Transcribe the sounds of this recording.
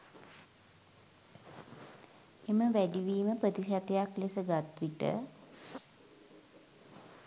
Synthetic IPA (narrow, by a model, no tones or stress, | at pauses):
eməʋæɖiʋiːməprət̪iʃat̪ejaklesəɡat̪ʋiʈə̰